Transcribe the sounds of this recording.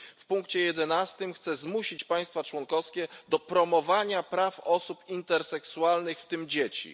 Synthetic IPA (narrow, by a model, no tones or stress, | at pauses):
fpuŋkt͡ɕɛjɛd̪ɛnast̪ɘmxt̪sɛzmuɕit͡ɕpaj̃st̪fat͡ʂwɔŋkɔfskʲɛd̪ɔpɾɔmɔvaɲapɾafɔsupint̪ɛɾsɛksualnɘxft̪ɘmd͡ʑet͡ɕḭ